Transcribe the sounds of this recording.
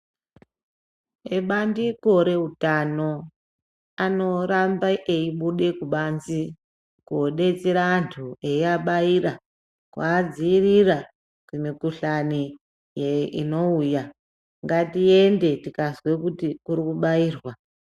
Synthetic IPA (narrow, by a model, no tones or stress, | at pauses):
eɓandiko̞ɾe̞utano̞ | ano̞rambaʔeiɓuɗe̞kuɓanzi | kuoɗe̞t͡seɾaːntʰueiaɓaira | kwaːd͡ziirira | kwemikuɬani | jeḭno̞uja | ŋɡatiende̞tikazwe̞kutikuɾikuɓaiːrwa